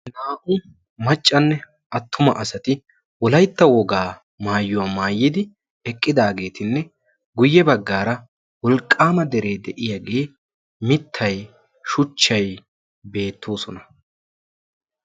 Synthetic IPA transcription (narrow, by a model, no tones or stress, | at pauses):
naːʔʊ | mɐt͡ʃʼːɐnːɛ | ʔɐt̪ːʊmɐ̰ʔɐsɐt̪ɪ | wɔlɐjt̪ːɐwɔɡaː | maːjːʊwaːmaːjːɪd̪ɪ | ɛkʼːɪd̪aːɡe̞ːt̪ɪnːɛ | ɡʊjːɛbɐɡːaːɾɐ | wɔlkʼːaːmɐd̪ɛɾe̞ːd̪ɛʔɪjaɡe̞ː | mɪt̪ʰːɐj | ʃʊt͡ʃːɐj | be̞ːt̪ːoːsɔnɐ